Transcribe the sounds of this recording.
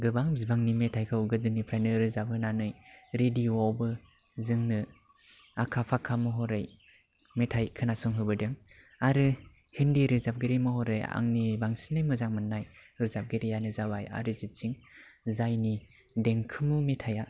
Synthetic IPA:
ɡɯbaŋzibaŋnimetʰajkʰɯwɡɯdɯnipʰɾajnɯɾɯzap̚hɯnanɯjɾediɔbɯ | zɯŋnɯ | akʰapʰakʰamɯɦɔɾɯj | metʰajkʰɯnasɔŋɦɯbɯdɯŋ | aɾɯ | hindiɾɯzap̚ɡiɾimɯhɔɾɯja̰ŋnibaŋsinɯjmɯzaŋmɯnːajɯɾzap̚ɡeɾijanɯzawaja̰ɾɯzit͡ʃiŋzajni | deŋkʰɯmumetʰaja

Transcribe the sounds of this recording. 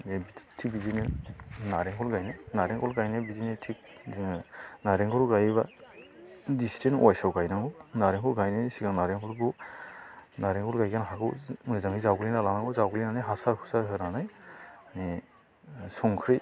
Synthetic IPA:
ebitʰibidinɯnaɾeŋkʰɔlɡajnajnaɾɛŋkʰɔlɡajnabidinetʰik̚ | naɾeŋkʰɔɾɡajβa | distʰenwajsawɡajnaŋɡunaɾeŋkʰɔlɡajnasiɡaŋnaɾeŋkʰɔlɡɔw | naɾeŋkʰɔlɡajkanɦaɡɯwzaŋizawɡlinalanaŋɡɔzawɡlinanajɦasaɾkʰu̥saɾɦɯɾanajni | sɔŋkʰɾi

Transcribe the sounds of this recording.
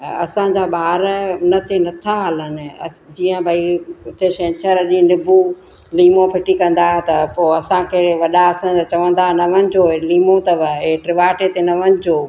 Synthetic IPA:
ɐsãɲd͡ʑaːɓaːɾʊnət̪ʰenɐt̪ʰaɦələnɪ̆ɐ̰d͡ʑiːə̃bʱaiʊt̪eʃẽːt͡ɕʰəɾɐɗĩnɪbʱu | liːmõpʰɪʈikɐ̃nd̪aːɦet̪ɐpoːɐsãkɐɪɾʋɐɗaɐsãat͡ɕɐʋə̃nd̪aːɦnɐʋənɪ̆d͡ʑoːeliːmõt̪ɐʋəeʈɾɪʋaːʈet̪enɐʋənɪ̆d͡ʑoː

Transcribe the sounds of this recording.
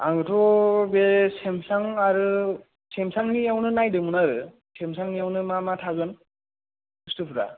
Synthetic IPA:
a̰ŋɯtʰɔbesemsaŋaɾɯ | semsaŋniawnɯnajdɯmɯnaɾɯ | semsaŋniawnɯmamatʰaɡɯn | ɯstɯpʰɯɾa̰

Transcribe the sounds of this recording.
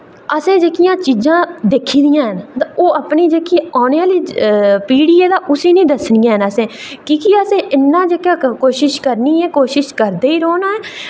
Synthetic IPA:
əsẽːd͡ʒeːkijãːt͡ʃiːzãːd̪eːkʰiːd̪ijãːɦənt̪aoːəpniːd͡ʒeːkiaːneaːliːpiːɽiːeːd̪aːʔʊsiːnĩːd̪əsnɪjãːɦənəsẽː | kiːkiəsẽːʔɪnːãːd͡ʒeːkjãːkoːʃɪʃkəɾniːɦɛːkoːʃɪʃkəɾd̪eːiːɾoːnaːɛː

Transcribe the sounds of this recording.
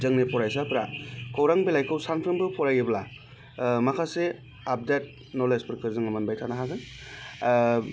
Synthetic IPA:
zɯŋnepʰɔɾajsapɾakʰowɾaŋbilajkʰɯwsaŋpʰɾɯnbɯpʰɔɾajibla | makʰase | ap̚det̚ | nɔlespɯɾkʰɯɾzɯŋɐmɐnbajtʰanaɦaɡɯŋ

